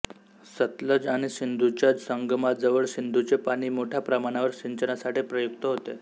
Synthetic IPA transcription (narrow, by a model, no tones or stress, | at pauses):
sət̪ləd͡zaɽ̃iɕind̪ʱut͡ɕad͡zsəŋɡmad͡zəʋəɭɕind̪ʱut͡sepaɽ̃iːmoʈʰjapɾəmaɽ̃aʋəɾɕiɲt͡ɕənasaʈipɾəjukt̪əɦot̪e